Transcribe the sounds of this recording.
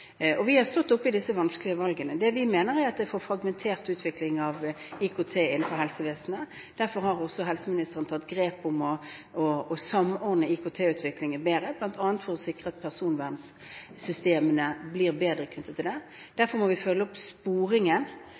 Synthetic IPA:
ɔʋɪhɑʁst̪ɔt̪ːʊpːɪd̪ɪsːəʋɑnsklɪəʋɑlɡənəd̪ɛʋɪmeːnəɾæɾɑt̪ʋɛfoːɾfɾɑɡmɛnt̪ʰeːʁt̪ʉːt̪ʰʋɪklɪŋɑʋɪkʰʊt̪ʰeːɪnːn̩fɔɾɦɛlsəʋeːsn̩ə | d̪̥æɾfɔɾhɑʁɔsɔɦɛlsəmɪnɪst̪əʁənt̪ʰɑt̪ɡɾeːpʊmɔɔːsɑmɔɾd̪əɪkʊt̪ʰeːʉːt̪ʰʋɪklɪŋəbeːɾəblɑnt̪ʰɑːnt̪fɔɾɔsɪkʁəɑt̪̚pʰæʁsuːnʋæʁns | sʏst̪eːmənəbliːʁbeːd̪ɾəkʰnʉt̪ːət̪ʰːɪld̪ɛ | d̪̥æɾfɔɾmɔʋɪfœlːəɔpspuːɾɪŋən

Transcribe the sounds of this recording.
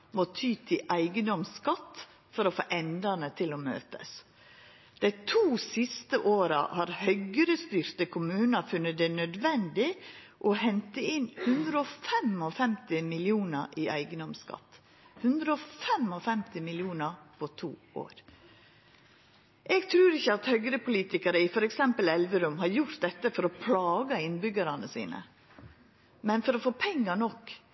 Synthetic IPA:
mot̪ʰyːt̪ʰɪʔæɪɡənd̪ɔmskɑt̪ː | fɔɾɔfo̰ːʔɛnd̪ənət̪ʰɪlomø̰ːt̪ə̰s | d̪̥æɪt̪ʰuːsɪst̪əʔoːɾə̰hɑɾhœʏɡəɾəst̪yːɾt̪əkʰʊmʉːnɑfʉnːət̪̚d̪ɛnœd̪ʋɛnd̪ɪ | ʔɔhɛnt̪əɪnhʉnd̪ɾəɔfɛmɔfɛmt̪ɪmɪlɪuːnəɾʔiæ̰ɪɡənɔmskɑ̰t̪ː | hʉnd̪ɾəɔfɛmɔfɛmt̪ɪmɪlɪuːnəpʰɔt̪ʰṵː | o̰ːɾ | ʔɛɡt̪ʰɾʉːɾɪçːəɑt̪hœɡɾəpʊliːt̪ɪkəɾəɪfɔɾɛksɛmpəlɛlʋəɾʉmhɑɾjʊɾt̪̚d̪ɛt̪ːəfɔɾɔpʰlɑːɡəɪnbʏɡɑɾɑnəsḭːnə̰ | mɛnfɔɾɔfoːpʰɛŋːɑnɔkː

